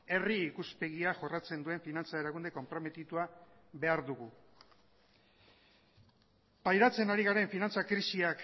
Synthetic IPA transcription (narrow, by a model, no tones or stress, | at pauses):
e̞riːkuspe̞ɣ̞iaʝo̞rat͡se̞nd̪ue̞ɱfinant͡saeɾaɣund̪e̞ko̞mpɾo̞me̞t̪it̪ua | βe̞aɾðuɣu | pajɾat͡se̞naɾiɣaɾe̞ɱfinant͡sakɾisiak